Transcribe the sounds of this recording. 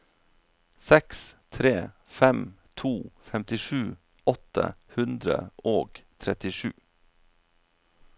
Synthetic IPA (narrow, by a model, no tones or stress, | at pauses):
sɛkst̪ʰɾeːfɛmt̪ʰuːfɛmt̪ɪʃʉː | ɔt̪ə̰hʉnd̪ɾə̰ʔoːɡt̪ʰɾɛt̪ɪʂʉ̰ː